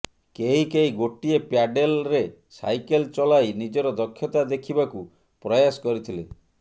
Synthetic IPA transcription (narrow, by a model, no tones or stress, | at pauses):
keɦikeiɡoʈiepjaɖelɾesa̰jkelt͡ʃɔlajnid͡ʒɔɾɔd̪ɔkʰːjɔt̪ad̪ekʰibaku | pɾɔjasɔ̥kɔɾit̪ʰile